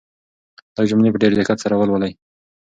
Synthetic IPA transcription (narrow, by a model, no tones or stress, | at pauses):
lajd͡ʒʊmnepəɖeɾd̪exat̪saɾawəlwəlaj